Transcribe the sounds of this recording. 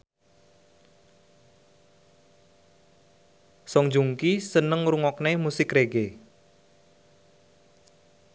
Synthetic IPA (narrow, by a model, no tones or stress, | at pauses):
sɔŋd͡ʒuŋkisənəŋɾuŋɔknemusɪkreɡe